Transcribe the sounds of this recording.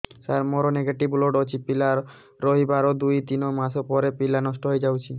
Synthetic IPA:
saɾmɔɾoneɡaʈiboloɖot͡ʃʰipilaɾː | oɦibaɾod̪ujt̪inomasopɔɾepilanɔsʈɔɦojd͡ʒawt͡ʃʰi

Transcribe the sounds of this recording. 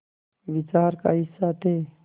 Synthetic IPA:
ʋɪt͡ʃaːɾka̰ɦɪsːat̪ʰeː

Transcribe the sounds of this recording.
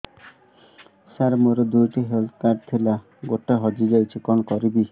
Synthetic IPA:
saɾmoɾed̪ujʈiɦelt̪ʰkaɾɖ̚t̪ʰila | ɡoʈaɦɔd͡ʒid͡ʒajt͡ʃʰikɔnkɔɾibi

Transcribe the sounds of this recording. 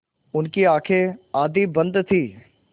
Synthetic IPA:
ʊnkiaːkʰeaːd̪iːbə̃nd̪t̪ʰiː

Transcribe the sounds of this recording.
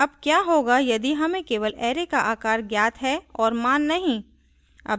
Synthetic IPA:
ɐb̚kjaːɦoːɡajɐd̪iɦɐmẽkeːʋəlɛːɾekaʔaːkaːɾɡjaːt̪ɦɛɔːɾmaːnːɐɦĩ | ɐ̰

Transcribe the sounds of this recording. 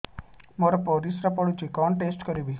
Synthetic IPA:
moɾɔpɔɾisɾapɔɽud͡ʒikɔɳʈesʈkɔɾibi

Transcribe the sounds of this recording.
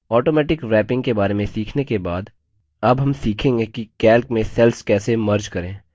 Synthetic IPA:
ɔːʈoːmɛːʈɪkɾɛːpɪ̃ŋɡkebaːɾemẽsiːkʰnekebaːd̪ | ɐbɦɐmsiːkʰẽːŋɡekikɛːlkmẽsɛlskɛːsemɐɾd͡ʒkɐɾẽː

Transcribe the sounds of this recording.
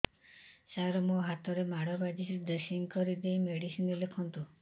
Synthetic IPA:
saɾɔmoɦat̪ɔɾemaɽɔbad͡ʒisid̪əsiŋkɔɾid̪ejmeɽisinilekʰɔnt̪u

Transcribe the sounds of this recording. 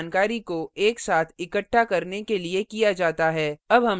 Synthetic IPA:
nkaːɾikoeːksaːt̪ʰɪkəʈʰːakɐɾnekeliekijad͡ʒaːt̪aɦɛːɐbɦɐm

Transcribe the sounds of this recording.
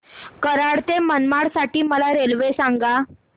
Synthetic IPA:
kəɾaɽt̪emənmaɽsaʈiːməlaɾelʋesaŋɡa

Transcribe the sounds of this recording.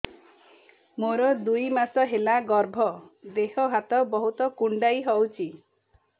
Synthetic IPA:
moɾɔd̪ujmasɔɦelaɡɔɾbʱɔd̪eɦɔɦat̪ɔbɔɦut̪ɔkuɳɖajɦɔwt͡ʃʰi

